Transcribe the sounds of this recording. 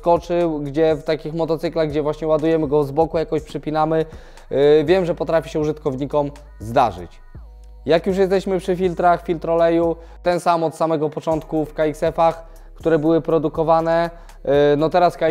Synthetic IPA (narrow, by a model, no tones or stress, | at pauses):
skɔt͡ʂɘwɡd͡ʑɛft̪akʲixmɔt̪ɔt̪sɘklaɣɡd͡ʑɛvwaɕɲɛwad̪ujɛmɘɡɔvzbɔkujakɔɕpʂɛpʲinamɘ | vʲjɛmʐɛpɔt̪ɾafʲiɕɛuʐɘt̪kɔvɲikɔm | zd̪aʐɘ̰t͡ɕ | jakjuʂ̬jɛst̪ɛɕmɘpʂɘfʲilt̪ɾaxfʲilt̪ɾɔlɛju | t̪ɛnsamɔt̪samɛɡɔpɔt͡ʂɔnt̪kufkaiksɛfax | kt̪uɾɛbɘwɘpɾɔd̪ukɔvanɛ | nɔt̪ɛɾaska